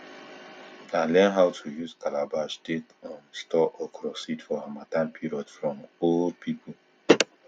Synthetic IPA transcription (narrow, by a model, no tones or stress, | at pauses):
ãlɛ̃nɦawtʰujuzkalabastetə̃nstʰɔʔəkʰɹɔsitfɔhamatãnpʰiɹɔdfɹɔ̃mold̚pʰipəl